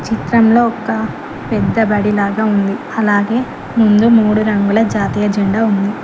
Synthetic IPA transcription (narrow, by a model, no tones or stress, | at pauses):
t͡ʃit̪ɾɐmlo̞ːɔkɐ | pɛd̪ːɐbɐɽilaːɡaːund̪i | ɐlaːɡe̞ː | mund̪umuːɽuɾɐŋɡulɐd͡ʒaːt̪iːjɐd͡ʒɛɳɖaːund̪i